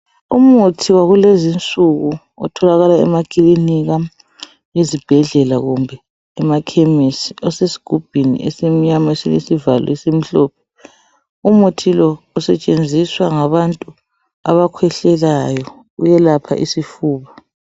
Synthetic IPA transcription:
umutʰiwaɣulezint͡sʼuɣu | ɔ̰tʰɔlaɣalaɛ̰makʼiliniɣa | jezib̥ʱɛɮɛlaɣumbʱɛː | makʰɛmesiɔsesi̥ɡ̥ʱub̥ʱinḭʔɛ̰semiɲamaesilḛsivalɔ̰ɛsem̩ɬɔpʰɛ̥ | umutʰilɔː | sɛt͡ʃʼend͡zʱiswaŋaβantʼu | a̰βakʰwɛɬɛlajɔ | ujɛlapʰa̰ʔisifuːβa

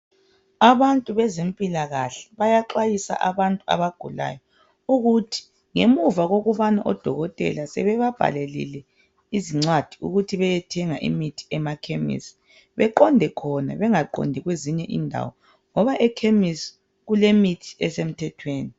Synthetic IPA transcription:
aβantʼuβɛzempʼilaɣaɬɛ̥βajaǃajisa̰ʔaβantʼua̰βaɡ̥ʱula̰ːjɔ | uɣutʰi̥ | ŋemuvaɣoɣuβanaʔɔd̥ʱɔɣɔtʼɛ̰lasɛβɛβab̥ʱa̰lelḭlɛ | iziŋ͡ǀwad̥ʱiṵɣutʰiβɛjɛtʰɛŋaʔḭmitʰi̥ɛmakʰemḭsi̥ | βɛǃɔndʱɛkʰɔna̰βɛŋaǃɔ̰ndʱiɣweziɲɛʔḭndʱa̰wɔ | ŋɔβaʔɛkʰemis | ɣulemitʰi̥ɛsem̩tʰɛtʰweːni

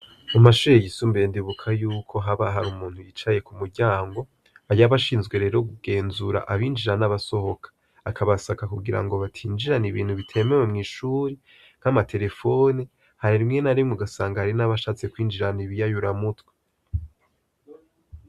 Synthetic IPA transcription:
amaʃuɾejisumbendiβukʰajuːkʰo̞ɦaβaɦaɾumuːnhujit͡ʃaje̞kumuɾɟaːŋɡo̞ | aɾjaβaʃiːnzɡwe̞ɾe̞ːɾo̞ɡuɡ̥e̞ːnzuɾa̰ʔaβiːnd͡ʒiɾanaβaso̞ho̞kʰḁː | kʰaβasakakuɡiɾa̰ŋɡoβatʰiːnd͡ʒiɾaniβiːn̥huβitʰe̞ːme̞we̞mŋiːʃuːɾi | n̥amatʰe̞ɾe̞fo̞ni | haɾiɾimŋe̞naɾimŋuɡasaːŋɡahaɾinaβaʃaːt͡se̞kwiːnd͡ʒiɾaniβijajuɾamutwe̥

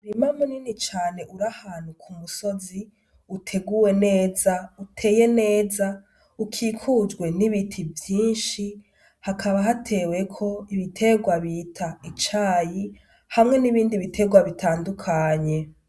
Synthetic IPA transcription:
uɾimamuninit͡ʃaːne̞ʔuɾahaːn̥hukʰumuso̞zi | utʰe̞ɡuwe̞ne̞ːzautʰe̞ːje̞ne̞ːza | ukʰikʰud͡ʒɡwe̞niβitʰivjiːnʃi | hakʰaβaɦatʰe̞ːwe̞kʰo̞iβitʰe̞ɡwaβiːtʰait͡ʃaːji | hamŋe̞niβiːndiβitʰe̞ɡwaβitʰaːndukʰaɲe̞

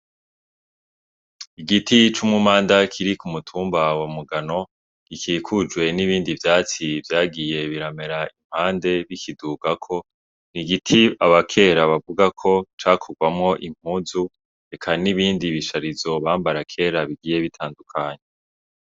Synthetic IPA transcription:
iɡitʰit͡ʃumŋumaːndakʰiɾikumutʰuːmbawamuɡano̞ | ɡ̥ikiːkʰud͡ʒɡwe̞niβiːndivjaːt͡sivjaːɡije̞βiɾame̞ɾaim̥haːnde̞βikʰiduɡakʰo̞ | niɡitʰiaβakʰe̞ːɾaβavuɡakʰo̞t͡ʃaːkʰoɡwamŋo̞ʔim̥huːzu | ɾe̞kʰaniβiːndiβiʃaɾizo̞βaːmbaɾakʰe̞ːɾaβiɡiːje̞βitʰaːndukʰaːɲe

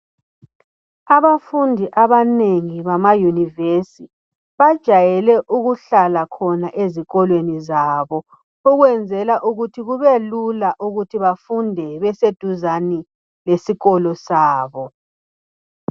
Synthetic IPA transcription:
aβafundʱiʔaβaneŋiβamajunivesi | βad̥ʒ̥ʱajɛlɛʔuɣuɬalakʰɔnaʔeziɣɔlwenizaːβɔ | uɣwɛnd͡zʱɛlaʔuɣutʰiɣuβɛlulaʔuɣutʰiβafundʱɛβɛsed̥ʱuzani | lesiɣɔlɔsaːβɔ

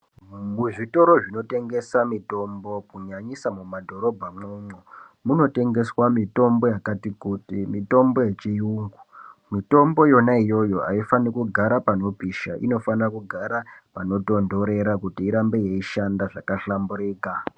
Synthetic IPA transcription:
muʐito̞ɾo̞ʐino̞te̞ŋɡe̞samito̞mbo̞kuɲaɲisamumadʱo̞ɾo̞bʱamweɲo | muno̞te̞ŋɡe̞swamito̞mbo̞jakatikutimito̞mbo̞je̞t͡ʃijuŋɡumito̞mbo̞jo̞naijo̞jo̞aifanikuɡʱaɾapano̞piʃa̰ʔḭno̞fanrakuɡʱaɾapano̞to̞ndo̞ɾe̞ɾakutiːɾambe̞jeiʃandaʐakaɬambuɾiːka

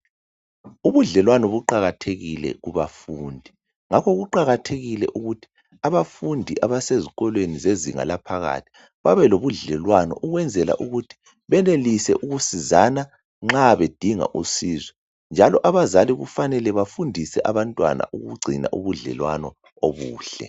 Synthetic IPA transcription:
uβuɮɛlwanɔβuǃaɣatʰeɣilɛ̰ɣuβafuːndʱi | ŋakʰɔɣuǃaɣatʰeɣilɛ̰ʔuɣutʰi̥ | aβafundʱiʔaβaseziɣɔlwenizezḭŋa̰lapʰaɣa̰tʰi̥ | βaβɛloβuɮɛlwanɔ̰ʔuɣwɛnd͡zʱɛla̰ʔuɣutʰi̥ | βɛnelisɛʔuɣusizana | ŋ͡ǁaβed̥ʱiŋa̰ʔṵsiːzɛ | nd͡ʒʱalɔʔaβazaliɣṵfanɛlɛβafundʱisɛʔaβantʼwa̰na̰ʔuɣuɡ͡ǀʱina̰ʔuβuɮɛ̰lwanɔ | oβuːɬɛ̰

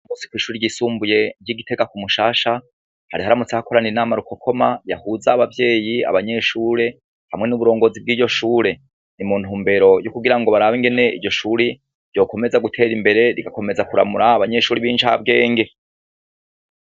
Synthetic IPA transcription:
mosi̥kwiːʃuːɾiɾɟiːsuːmbuje̞ɾɟiɡite̞ɡakumuʃaːʃa | haɾihaɾamut͡sehakoɾaniinaːmaɾukʰo̞kʰo̞majahuzaβavje̞ːjia̰βaɲe̞ʃuːɾe̞ | hamŋe̞nuβuɾo̞ːŋɡo̞zib̚ɡiːɟo̞ʃuːɾe̞ | nimuːn̥huːmbe̞ɾo̞jukuɡiɾaŋɡo̞βaɾaβiŋɡe̞ne̞ʔiɟo̞ʃuːɾi | ɾɟo̞ːko̞me̞zaɡutʰe̞ːɾimbe̞ɾe̞ɾiɡako̞me̞zakuɾa̰muɾaːβaɲe̞ʃuːɾiβiːnʃa̰bɡe̞ːŋɡe̞

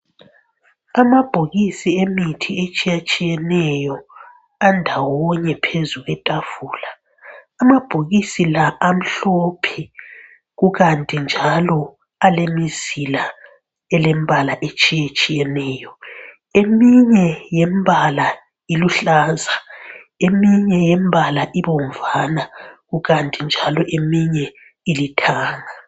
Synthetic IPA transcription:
amab̥ʱoɣisiemitʰiet͡ʃʼijat͡ʃʼijɛnɛjɔ | andʱawɔɲɛpʰezuɣɛtʼav̥uːlaː | mab̥ʱoɣisilaʔːm̩ɬopʰi | ɣuɣantʼind͡ʒʱalɔ | alemiz̥ila | ɛlembʱalaʔet͡ʃʼijet͡ʃʼijɛnɛːjɔ | emiɲɛjɛmbʱala | iluɬaːza | emiɲɛjembʱalaʔiβoɱvanaɣuɣantʼind͡ʒʱalɔʔemiɲɛ | ilitʰaːŋa

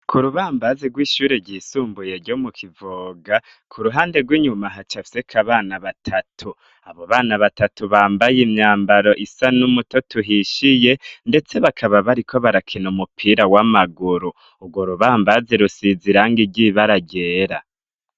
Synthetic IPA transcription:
kʰuɾuβaːmbazeɡwiːʃuːɾeɾɟiːsuːmbujeɾɟomukʰivoɡa | kʰuɾuɦaːnde̞ɡwiːɲumaɦat͡ʃafi̥sekʰaβaːnaβatʰatʰu | aβo̞βaːnaβatatuβaːmbajimɲaːmbaɾo̞ʔisanumuto̞tuɦiʃije̞nde̞t͡se̞βakʰaβaβaɾikʰo̞βaɾakʰenumupʰiːɾawamaɡuɾu | uɡwoɾuβaːmbazeɾusiziɾaŋɡiɟiβaɾaɟe̞ːɾa

